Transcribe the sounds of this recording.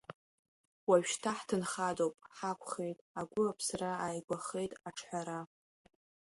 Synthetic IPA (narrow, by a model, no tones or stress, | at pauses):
waɥᶣʃtʰaħtʰɨnχadowpʼħakʷʰʼχe̞jtʼaɡʷʊapʰsraajɡʷaχe̞jtʼaʈ͡ʂʰħʷaɾa